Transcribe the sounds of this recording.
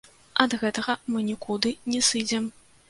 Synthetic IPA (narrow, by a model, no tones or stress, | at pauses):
ɐd̪ɣɛt̪ɐɣɐmɨnʲikud̪ɨnʲɛsɨd͡zʲɛm